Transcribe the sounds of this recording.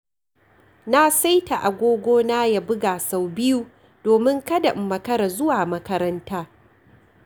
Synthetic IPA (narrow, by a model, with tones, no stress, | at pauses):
na˦sa˦jta˨ʔa˨ɡʷoː˦ɡʷoː˦naː˦ja˨bʊ˦ɡaː˨sa˨wbɪ˦ju˦ | doː˨mɪ˦ŋkɐ˦da˨ʔɪ˨mːɐ˨kɐ˦ɾa˨zʊ˦waː˨mɐ˦kɐ˦ɾɐ˦ntaː˦